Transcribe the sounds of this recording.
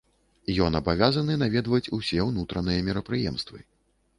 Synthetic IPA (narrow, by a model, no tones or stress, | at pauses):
jɔnɐbavʲazɐnɨnavʲɛd̪vɐt͡sʲusʲɛwnut̪ɾɐnɨjɐmʲɛɾɐpɾɨjɛmst̪vɨ̰